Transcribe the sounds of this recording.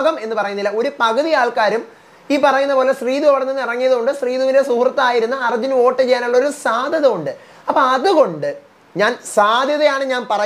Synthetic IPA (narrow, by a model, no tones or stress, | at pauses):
ɣɐme̞nːɨpɐrɐjunːilːɐo̞ɾupɐɣɐðijaːɭkaːɾum | iːpɐrɐjunːɐpo̞ːle̞sriːðuɐʋɐɽɐnːenːirɐŋːijɐðɨɣoɳɖɨsriːðuʋinde̞suhrɐt̪ːɐaːjiɾunːɐɐrɐd͡ʑino̞ːʈːɐt͡ɕejːaːnuɭːɐo̞ɾusaːd̪ʱjɐðɐmuɳɖɨ | ɐpːoɐðɨɣo̞ɳɖɨ | ɲaːnsaːd̪ʱjɐðɐjaːɳɨɲaːnpɐrɐ